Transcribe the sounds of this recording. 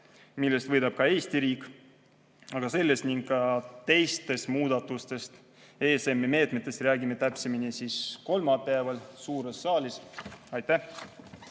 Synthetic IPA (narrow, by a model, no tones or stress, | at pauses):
milːe̞st̪vɤjd̪̥ɑb̥̚kɑe̞ːsʲt̪iɾiːkːˑ | ɑɡ̥ɑse̞lːe̞st̪niŋɡkːɑt̪e̞jst̪e̞st̪muːd̪̥ɑt̪ːˑust̪e̞st̪ | e̞ːsemːeme̞ːt̪ˑme̞t̪ːˑe̞st̪ræːɡimet̪æpseminʲisisko̞lmɑpæevɑlsuːɾe̞sːɑːlʲisɑjt̪ːæh